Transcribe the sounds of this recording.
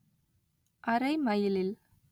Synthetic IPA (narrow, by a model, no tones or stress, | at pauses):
ʔɐɾɐɪmɐjɪlɪl